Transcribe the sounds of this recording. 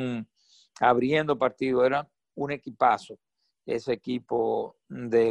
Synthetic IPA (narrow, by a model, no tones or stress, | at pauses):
aβɾje̞nd̪opaɾt̪iðoe̞ɾaŋ | une̞kipaso | ḛsekipo | d̪e